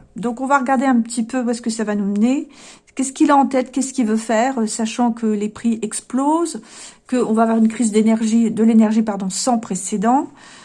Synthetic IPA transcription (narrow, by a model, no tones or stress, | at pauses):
d̪ɔ̃kɔ̃vaʁəɡaʁd̪eɛ̃pət̪ʰipøuɛskəsavanumənekʲɛskʲilaɑ̃t̪ɛt̪kʲɛskʲilvøfɛʁøsaʃɑ̃kəlepχiʔɛksplozkəɔ̃vaːvwaʁynkχizd̪enɛʁʒid̪əlenɛʁʒipaʁd̪ɔ̃sɑ̃pχesed̪ɑ̃